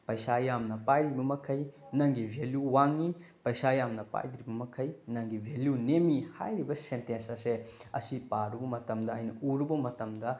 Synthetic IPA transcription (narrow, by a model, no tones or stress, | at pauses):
pɐjsajamnɐpajdɾibɐmɐkʰɐjnɐŋɡibʱeljuwaŋi | pɐjsajamnɐpa̰jd̪ɾibɐmɐkʰɐjnɐŋɡibʱeljunemihajɾibɐsentensɐseɐ̰sipaɾubɐmɐtɐmdɐːjnɐuɾubɐmɐtɐmdɐ